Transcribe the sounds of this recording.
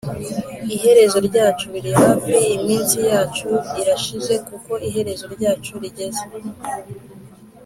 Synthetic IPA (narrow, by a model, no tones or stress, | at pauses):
iɦe̞ɾe̞zo̞ɾɟaːt͡ʃuɾihaviimiːnsijaːt͡ʃuiɾaʃize̞kuko̞iɦe̞ɾe̞zo̞ɾɟaːt͡ʃuɾiɟe̞ze